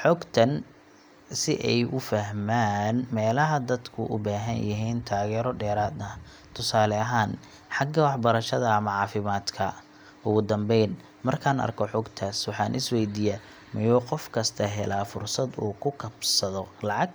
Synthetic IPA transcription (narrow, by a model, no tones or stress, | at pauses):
ħɔːɡt̪ʰɐn | sɪʔɛjʔʊfɐɦmaːnmɛːlɐɦɐd̪ɐd̪kʰʊʔʊbaːɦɐnjɪɦiːnt̪ʰaːɣɛːɾɔɖɛːɾaːd̪ɐ | t̪ʰʊsaːlɛɐɦaːn | ħɑɡɐwɑħbɐɾɐʃɐðɐːmɐʕɑːfɪmaːd̪kʰɐ | ʊɣʊd̪ɐmbɛjn | mɐrkʰaːnɐ̰rkʰɔħɔːɡt̪ʰaːswɑħɑːnʔɪswɛjd̪iːjɐ | mɐjɔːqɔfkʰɐst̪ʰɐɦɛlaːfʊrsɐd̪ṵːkʰʊkʰɐbsɐðɔlɑʕɑɡ̚